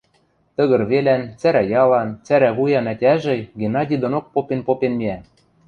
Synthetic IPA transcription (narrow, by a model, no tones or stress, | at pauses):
t̪ə̆ɣɤ̆rβelænt͡sæɾæjɑlɑnt͡sæɾæβujɑnætʲæʒɘ̆ɡenɑdʲid̪onok̚popenpopenmiæ